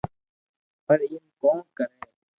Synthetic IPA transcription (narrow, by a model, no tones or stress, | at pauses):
pəɾinkoːnkəɾẽː